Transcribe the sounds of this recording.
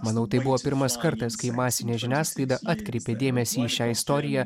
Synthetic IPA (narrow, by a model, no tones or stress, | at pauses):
mɐnɐʊt̪ɐɪbʊʋoːpʲɪɾmɐskɐɾt̪ɐskɐɪmɑːsʲɪnʲɛːʒʲɪnʲæːsklˠɐɪd̪ɐʔɑːt̪ʲkɾʲɛɪpʲed̪ʲeːmʲɛsʲiːʃʲæːɪst̪ɔːɾʲɪjæː